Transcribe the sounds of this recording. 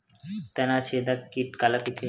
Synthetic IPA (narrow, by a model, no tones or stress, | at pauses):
t̪ɛnat͡ʃʰed̪akːiʈkalaʈike